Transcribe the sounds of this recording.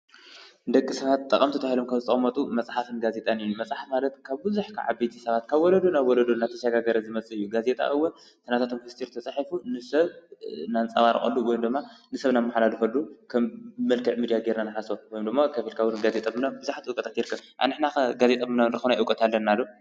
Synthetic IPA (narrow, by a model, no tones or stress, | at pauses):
nd̪ɐkʼːisɐβat̪t̪ʼːɐ̰kʼɐmt̪ʰɐt̪ʰahilomkʰɐmzɨt̪ʼɐ̰χʼmɐt̪ʼumɐt͡sʼħafɨnɡaze̞t̪ʼanɨjumɐsʼħafmalɐt̪kʰaβbɨzuħkʰa̰ʕa̰bijt̪ʰisɐβat̪kʰaβwɔlɐd̪unaβwɔlɐd̪unːat̪ʰɐʃɐɡaɡɐɾɐzɨmɐt͡sʼɨɨjːuɡaze̞t̪ʼa̰ʔɨwɔn | t̪ʰɨnat̪at̪ʰomkɨst̪ʰiɾt̪ʰɐt͡sʼaħifunɨsɐβnant͡sʼɐβaɾɨ̰χʼɐ̰lːuwɔjumd̪ɨmːanɨsɐβnamːaħlalufɐlːukʰɐmmːɐlkʰɨʕmid̪ijaɡeɾnanɨħasowɔjumd̪ɨmːakʰɐfilkʰawunɡazet̪ʼɐmɨnabɨzaħat̪iʔukʼɐt̪ʼat̪jɪɾɨkʰːɐβʔa̰nɨħnaɡazet̪ʼɐmɨnanɨɾɨxɐβnajʔɨwkʼɐt̪ʰalːɐnːalːo